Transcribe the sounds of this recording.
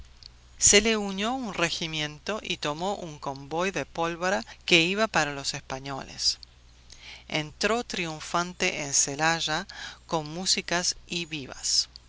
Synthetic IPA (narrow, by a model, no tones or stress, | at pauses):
seleuɲjo̞unreximjẽ̞nt̪o̞ʔit̪o̞mo̞ʔuŋko̞mbo̞jðepo̞lβoɾake̞iβapaɾalo̞sespaɲo̞̰lḛs | ḛnt̪ɾo̞t̪ɾiuɱfant̪eʔenselaʒako̞nmusikasiβiβa̰s